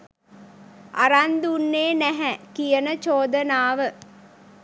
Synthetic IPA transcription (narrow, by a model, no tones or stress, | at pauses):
ʔa̰ɾand̪unːeːnæɦɛkijənət͡ʃoːd̪ənaːʋə